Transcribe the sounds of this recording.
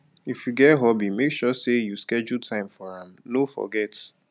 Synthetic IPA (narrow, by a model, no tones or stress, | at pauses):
ifjuɡɛtɦɔbimekʃɔsejuskɛd͡ʒultʰãɪ̃mfɔãmnofɔ̰ɡɛt